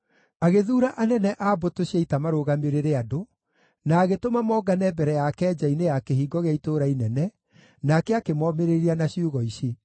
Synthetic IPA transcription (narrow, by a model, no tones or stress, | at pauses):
aɣeðuːɾaʔanɛnɛʔabotoɕiaitamaɾoɣameɾeɾeado | naːɣetomamɔːɡanɛbɛɾɛjakɛːd͡ʑainejakehiːɡɔɣeaitoɾainɛnɛ | nakɛakemɔmeɾeɾianaɕiuɣɔiɕe